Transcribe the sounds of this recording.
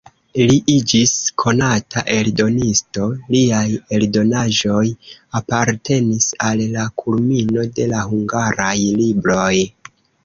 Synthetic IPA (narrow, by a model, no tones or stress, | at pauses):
liʔid͡ʒiskʰo̞natʰa̰ʔe̞ldo̞nisto̞liaje̞ldo̞naʒo̞japaɾtʰe̞nisalːakʰulmino̞de̞lahuŋɡaɾajlibɾo̞j